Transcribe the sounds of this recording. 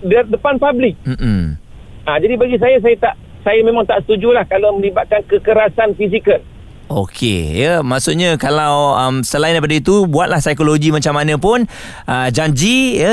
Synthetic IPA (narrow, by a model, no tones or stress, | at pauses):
dədəpanpablɪk̚m̩m̩ | ad͡ʒadibaɡis̬ajas̬ajat̪aʔ | sajamẽmãŋt̪aʔsə̥t̪ud͡ʒulahkalamə̃libat̪̚kankəkəɾasanfis̬ikəl | ʔo̰kʰḛjəmaʔsuʔɲãkalawəmsəlaindajpadait̪ubuat̪̚lahsajkoloɡimat͡ʃamːanə̃pʊn | ʔəd͡ʒaɲd͡ʒijə